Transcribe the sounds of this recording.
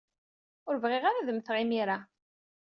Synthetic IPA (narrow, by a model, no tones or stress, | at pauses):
ʊɾvʁeʁaɾaðəmθʁimiɾa